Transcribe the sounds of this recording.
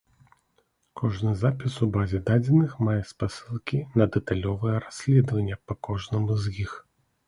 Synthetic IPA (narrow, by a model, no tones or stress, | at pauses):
kʰɔʐnɨzapʲisubazʲɛd̪ad͡zʲɛnɨxmajɛspasɨlˠkʲinɐd̪ɛt̪alʲɔvɨjɛɾasʲlʲɛd̪vɐnʲːɐpɐkɔʐnɐmuzjix